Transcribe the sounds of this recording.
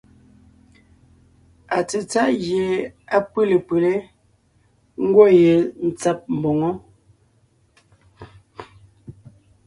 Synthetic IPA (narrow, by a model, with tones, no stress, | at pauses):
a˨t͡se˨t͡sa˦ʔɣje˨a˦pə˦˨le˨pə˨le˦ | ŋ̩˦ɡwɔ˦je˨n̩˨t͡sa˦p̚m̩˨bɔ˨ŋɔ˦